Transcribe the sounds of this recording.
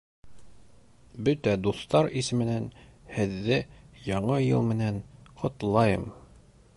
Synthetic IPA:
bɵt̪æd̪uθt̪ɑɾisɘ̆mɘ̆nænhɘ̆ðːɘjɑɴɤjɤ̰lˠmɘ̆nænqʰŏt̪lˠɑjɤm

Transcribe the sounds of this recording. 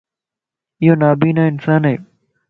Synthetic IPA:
ɪjoːnaːbiːnaːɪnsaːnɦḛː

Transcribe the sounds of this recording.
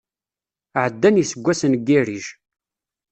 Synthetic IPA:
ʕəd̪ːænjisəɡʷːæsənɡːiɾiʒ

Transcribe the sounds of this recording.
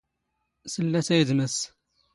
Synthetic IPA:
səlːæsæjəðməs

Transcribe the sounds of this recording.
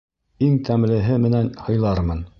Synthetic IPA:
iŋt̪ʰæmlɘ̆ɦɘmɘ̆nænhɤ̆jlˠɑɾmɤn

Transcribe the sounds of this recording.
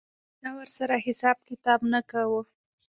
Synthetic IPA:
d̪ɑwəɾsaɾahɪsɑb̚kɪt̪ɑbnakawə

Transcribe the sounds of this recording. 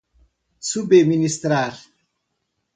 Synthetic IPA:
subeminist̪ɾaːɾ

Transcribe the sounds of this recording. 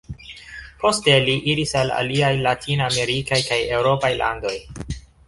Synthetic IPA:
pʰo̞ste̞liʔiɾisala̰liajlatʰiname̞ɾikajkaje̞wɾo̞pajlʔa̰ndo̞j

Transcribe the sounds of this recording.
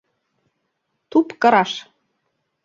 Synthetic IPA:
t̪upkɤ̆ɾɑʃ

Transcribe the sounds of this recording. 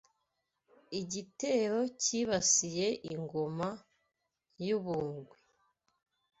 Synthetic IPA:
iɟite̞ːɾo̞ciβasije̞ʔiŋɡo̞ma | juβuːŋɡwe

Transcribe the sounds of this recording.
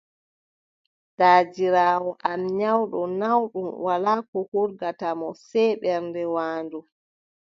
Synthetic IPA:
d̥aːd͡ʒiɾaːwɔʔamɲawɗɔnawɗumwalaːkɔhuɾɡatamɔsɛjɓɛɾndɛwaːndu

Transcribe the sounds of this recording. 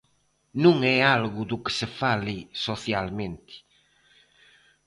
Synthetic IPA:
nũŋɛalɣud̪uke̥sefalisoθjalmẽnt̪i̥

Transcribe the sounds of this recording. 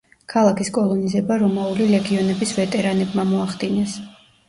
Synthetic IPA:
kʰalˠakʰiskʼɔlˠɔnizɛbaɾɔmaulilɛɡiɔnɛbisvɛt̪ʼɛɾanɛbmamɔaχd̪inɛs

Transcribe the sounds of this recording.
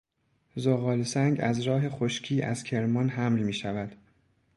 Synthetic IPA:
zoɣɒːlsæŋɟæ̰zɾɒːɦe̞xoʃcʰiːʔæ̰zcʲʰe̞ɾmɒnɦæmlmiːʃævæd̪̥

